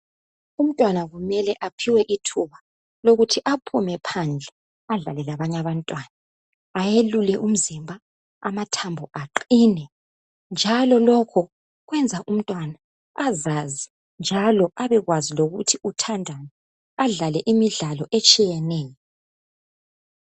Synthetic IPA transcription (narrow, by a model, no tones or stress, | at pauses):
um̩tʼwanaɣumɛlɛʔapʰiwɛʔitʰuβa | loɣutʰiʔapʰumɛpʰand͡ɮʱɛ | aɮa̰lɛlaβaɲaβantʼwanaː | jelulɛʔum̩zimbʱa | amatʰambʱɔʔaǃiːnɛ | nd͡ʒʱalɔlɔkʰɔ | ɣwɛnd͡zʱaʔum̩tʼwana | azazi | nd͡ʒʱalɔʔaβɛɣwaziloɣutʰiutʰandʱani | aɮalɛʔimiɮalɔʔet͡ʃʼijɛnɛːjɔ